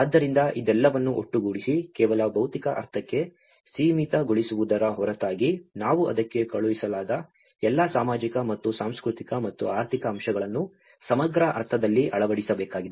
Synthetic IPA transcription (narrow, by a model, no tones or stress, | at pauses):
aːd̪ːɐɾind̪ɐʔid̪ɛlːɐʋɐnːuʔo̰ʈːuɡuɽisikɛːʋɐlɐbɐwt̪ikɐʔɐ̰ɾt̪ʰɐkːe̞ | siːmit̪ɐɡoɭisuʋud̪ɐɾɐɦɔɾɐt̪aːɡinaːʋuʔɐ̰d̪ɐkːe̞kɐɭuʋisɐlaːd̪ɐ | ɛlːɐsaːmaːd͡ʒikɐmɐt̪ːusaːmskɾut̪ikɐmɐt̪ːṵaːɾt̪ʰikɐːmʃɐɡɐɭɐnːu | sɐmɐɡɾɐʔɐ̰ɾt̪ʰɐd̪ɐlːiʔɐɭɐʋɐɽisɐbɛːkaːɡid̪e